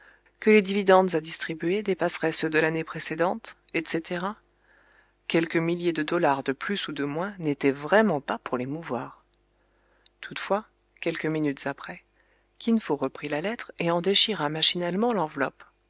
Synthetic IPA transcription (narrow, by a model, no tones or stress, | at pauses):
kəled̪ivid̪ɑ̃d̪zad̪ist̪χibyɥed̪epasʁɛsəd̪əlanepχesed̪ɑ̃t̪ | ɛt̪set̪eʁa | kʲɛlkəmiljed̪əd̪ɔlaʁd̪əplysud̪əmwɛ̃net̪ɛvʁɛmɑ̃papuʁlemuvwaːʁ | t̪ʰut̪fwa | kʲɛlkəminyt̪z̥apχɛ | kʲinfoʁəpχilalɛt̪χeɑ̃d̪eʃiʁamaʃinalmɑ̃lɑ̃vlɔp